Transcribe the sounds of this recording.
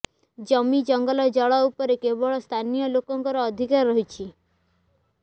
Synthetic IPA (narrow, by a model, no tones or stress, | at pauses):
d͡ʒɔmid͡ʒɔŋɡɔlɔd͡ʒɔɭɔupɔɾekebɔɭɔst̪ʰanijɔlokɔŋkɔɾɔːd̪ʱikaɾɾɔɦit͡ʃʰi